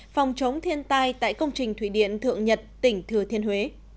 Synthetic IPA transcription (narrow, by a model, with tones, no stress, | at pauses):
fa˨˩wŋ͡mt͡ɕə˨˦wŋ͡mt̪ʰi˧ənt̪aː˧jt̪a̰ː˧˨jkə˧wŋ͡mt͡ɕï˨˩ŋ̟t̪ʰwi˧˩ɗḭ˧˨ənt̪ʰɨ̰˧˨əŋɲə˨˩t̚t̪ï˧˩ŋ̟t̪ʰɨ˨˩ət̪ʰi˧ənhwe˨˦